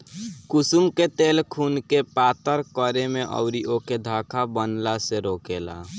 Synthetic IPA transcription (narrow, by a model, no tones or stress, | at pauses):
kʊsumket̪eːlkʰuːnkepaːt̪əɾkəɾemẽʔə̰ʊɾiʔoked̪ʱaːkʰabənlaseɾoːkela̰